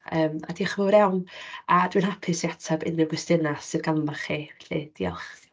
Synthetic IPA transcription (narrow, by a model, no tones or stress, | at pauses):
əːma̰diχəvɔɾɛwnadwinhapʰɨsiatʰabɪ̰nːɪvwɪstɪnasɨðɡammaχiɬḭd̥iːɔ̰lˠχ